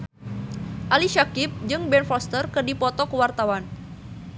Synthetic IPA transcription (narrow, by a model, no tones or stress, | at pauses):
ʔaliʃakip̚d͡ʒɨŋbɛnfɔst̪ərkɨrdipɔt̪ɔkəwart̪awan